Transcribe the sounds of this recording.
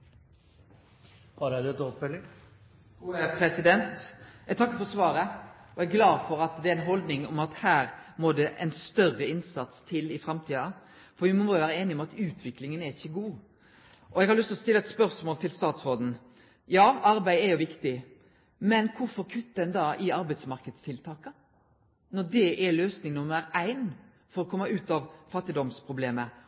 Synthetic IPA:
hɑɾæd̪ʉɛt̪ɔpfɛlːɪ | uəpʰɾɛsɪd̪ɛnt̪ɛɡ̚t̪ʰɑkːəɾfɔsʋɑːɾəɔɛɡɡlɑːd̪fɔɾɑt̪d̪ɛæɾæɪnɦɔld̪nɪŋʊmɑt̪hæːɾmod̪ɛʔɛ̰nst̪œrːəɪnsɑt̪st̪ʰɪlɪfɾɑmt̪ʰiːɑ | fɔɾʋɪmɔmoːjʋæːɾəeːnɪɔmɑt̪ʉːt̪ʰʋɪklɪŋənæɾɪçːəɡuː | ʔɔɛɡhɑɾlʏst̪lɔst̪ɪlːəɑɛt̪spœɾsmoːlt̪ʰɪlst̪ɑːt̪sɾoːd̪n̩ | jɑːɑɾbæɪɛɾjʊʋɪkt̪ɪ | mɛnkʰʊfɔɾkʰʉt̪ːd̪ɛnd̪ɑːʔɪɑɾbæɪt̪smɑɾkəd̪st̪ʰɪlt̪ʰɑːkə | nɔɾd̪ɛʔɛløːsnɪŋnʊməɾæɪn | fɔɾɔkʰɔmːəʉːt̪ɑʋfɑt̪ːɪd̪ɔmspʰɾʊbleːmə

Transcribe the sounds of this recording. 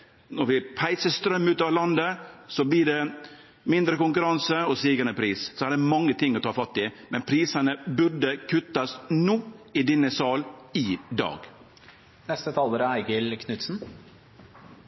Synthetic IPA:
nɔɾʋɪpʰæɪsəst̪ɾœmːʉːt̪ɑːʋlɑnd̪əsɔblɪɖɛ | mɪnd̪ɾəkʊŋkʉɾɑnsəɔst̪iːɡənəpʰɾiːssɔæːɖɛmɑŋːət̪ʰɪŋːɔt̪ʰɑːfɑt̪ːɪmɛnpʰɾiːsɑnəbʉɾɖ̪əkʰʉt̪ɑsnuːɪd̪ɪnːəsɑːlɪd̪ɑ̰ːɡ | nɛst̪ət̪ʰɑːləɾəæɪɡəlkʰnʉt̪sn̩

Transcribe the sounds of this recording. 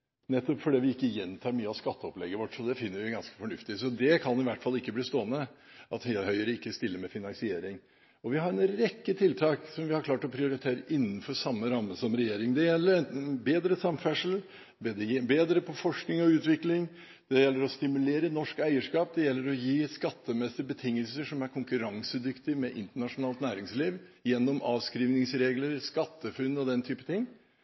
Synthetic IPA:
nɛt̪ːɔpfɔɖɛːʋɪɪkːəjɛnt̪ʰɑːɾmyːəɑʋskɑt̪ːəɔplɛ̰ɡəɾʋɔʈːsɔd̪ɛfɪnːəɾʋɪɡɑnskə̥fɔɳʉft̪ɪsɔd̪ɛkʰɑnɪʋæʈːfɑlːɪkːəbliːst̪oːənə | ʔɑ̰t̪hhœʏəɾəɪkːəst̪ɪlːəɾmɛfɪnɑŋsɪeːɾɪŋ | ɔʋɪɦɑɾɛnɾɛkːət̪ʰɪlt̪ʰɑːksɔmʋɪhɑɾkʰlɑːʈɔpʰɾɪʊɾɪt̪ʰeːɾəʔɪnːən̩fɔɾsɑmːəɾɑmːəsɔmɾɛjeːɾɪŋd̪ɛjɛlːəɾbeːd̪ɾəsɑmfæʂl̩ | bɛd̪beːd̪ɾəpʰɔfɔʂknɪŋɔʉːt̪ʋɪklɪŋ | d̪̥ɛjɛlːəɾɔst̪ɪmʉleːɾənɔʂkæɪəʂkɑːp̚d̪ɛjɛlːəɾɔjiːskɑt̪ːəmɛsəbət̪ʰɪŋːəlsəʂɔmæɾkʰʊŋkʉɾɑŋsəd̪ʏkt̪ɪmɛʔɪnt̪əɳɑʂʊnɑːlt̪næːɾɪŋsliːʋjɛnːɔmɑːʋskɾiːʋnɪŋsɾeːɡləɾskɑt̪ːəfʉnːɔd̪ɛnt̪ʰyːpət̪ʰɪŋː

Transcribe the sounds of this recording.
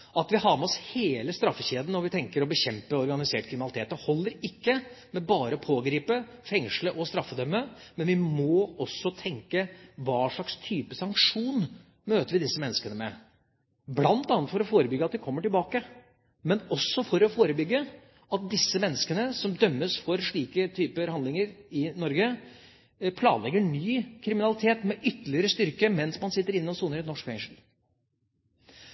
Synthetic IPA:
ɑt̪ʋɪhɑɾmɛɔsheːləst̪ɾɑfːəɕeːd̪n̩ːɔʋɪt̪ʰɛŋkəɾɔbəçɛmpəɔɾɡɑnɪseːʈ̚kʰɾɪmɪnɑlɪt̪eːt̪ːɔhɔlːəɾɪkːəmɛbɑːɾəɔpʰoːɡɾiːpəfɛŋʂləʔɔst̪ɾɑfːəd̪œmːəmɛnʋɪmoːɔsːɔt̪ʰɛŋkəʋɑːʂɭɑkst̪ʰyːpəsɑŋkʂuːn | møːt̪əɾʋɪd̪ɪsːəmɛnːəskənəmɛ | blɑnt̪ɑːnət̪fɔɾɔfoːɾəbʏɡəɑt̪̚d̪ɪkʰɔmːəʈɪlbɑːkə | mɛnɔsːɔfɔɾɔfoːɾəbʏɡːə | ɑt̪̚d̪ɪsːəmɛnːəskənəsɔmd̪œmːəsfɔɾʂɭiːkət̪ʰyːpəɾhɑnd̪lɪŋəɾɪnɔɾɡə | pʰlɑ̰ːnlɛɡːəɳyːkʰɾɪmɪnɑlɪt̪ʰeːt̪mɛʔʏt̪ːəlɪəɾəst̪ʏɾkəmɛnsmɑnsɪt̪ːəɾɪnːəɔsuːnəɾɛnnɔʂkfɛŋʂl̩

